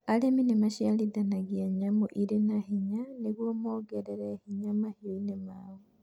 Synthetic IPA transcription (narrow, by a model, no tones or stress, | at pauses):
aleminemaʃialiðanaɣiaɲamoʔiɾenahiɲaneɣwomoɡeɾeɾehiɲamahioinemawo